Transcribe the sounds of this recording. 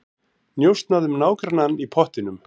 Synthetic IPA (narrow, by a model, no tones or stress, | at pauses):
njowst̪naðʏmnaːwkɾananːipʰɔht̪ɪnʏm